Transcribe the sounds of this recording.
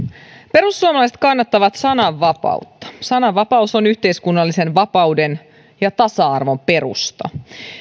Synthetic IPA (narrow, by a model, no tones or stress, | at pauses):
pe̞ɾusːuomɑlɑjse̞t̪̚kɑnːɑt̪ːɑʋɑt̪sɑnɑʋːɑpɑ̰ut̪ːɑ̥sɑnɑʋʋːɑpɑusonyçt̪e̞iskunːɑlːise̞nʋɑpɑuden | jɑt̪ɑsɑɑrʋo̞mpe̞ɾṵst̪ɑ̰